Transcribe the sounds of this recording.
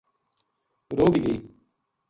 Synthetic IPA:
ɾoːbiːɡəiː

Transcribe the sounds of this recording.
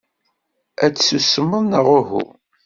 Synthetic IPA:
æt͡sːsusəmːəðnəʁʊhṵ

